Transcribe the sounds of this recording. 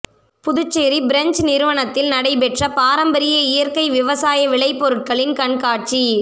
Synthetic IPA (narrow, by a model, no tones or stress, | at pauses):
pʊðɯt͡ʃːeːɾibɪɾɛnd͡ʒnɪɾɯʋɐɳɐt̪ːɪlnɐɽɐɪpɛʈrɐpaːɾɐmbɐɾɪjɐɪjɐɾkɐɪʋɪʋɐsaːjɐʋɪɭɐɪpːɔɾɯʈ̚kɐɭɪnkɐɳkaːʈ̚t͡ʃi